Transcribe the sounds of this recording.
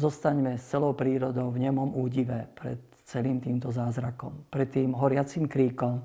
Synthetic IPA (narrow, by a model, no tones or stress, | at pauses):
zɔst̪aɲmɛst͡sɛlɔʊpɾiːɾɔd̪ɔʊvɲɛmɔmuːɟiʋɛpɾɛ̰t̪ | t͡sɛliːmt̪iːmt̪ɔzaːzɾakɔmpɾɛt̪ːiːmɦɔɾɪat͡simkɾiːkɔm